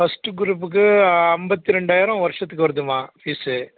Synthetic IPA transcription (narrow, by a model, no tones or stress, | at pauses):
fɐsʈɯɡʊɾuːp̬ːɯk̬ːɯɐmbɐt̪ːiɾɛɳɖaːjɪɾɐ̃ʋɐɾʂɐt̪ːɯkːɯʋɐɾɯðɯmãːfiːsɯ